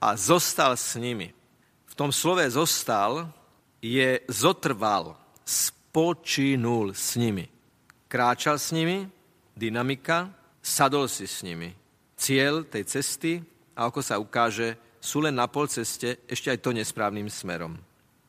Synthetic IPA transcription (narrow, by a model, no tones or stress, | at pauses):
a̰zɔst̪alsɲimḭ | ft̪ɔmslɔʋɛzɔst̪al | jɛzɔt̪r̩ʋal | spɔt͡ʃinulsɲimi | kɾaːt͡ʃalsɲimi | d̪inamika | sad̪ɔlsisɲimḭ | t͡sɪɛʎt̪ɛjt͡sɛst̪i | aakɔsaukaːʒɛ | suːlɛnːapɔlt͡sɛscɛɛʃcɛajt̪ɔɲɛspɾaːʊnimsmɛ̰ɾɔ̰m